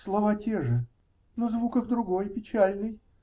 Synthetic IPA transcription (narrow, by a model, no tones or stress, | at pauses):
slˠɐvatʲeʐɨ | nozvukəxd̪ɾʊɡojpʲɪt͡ɕælʲnɨj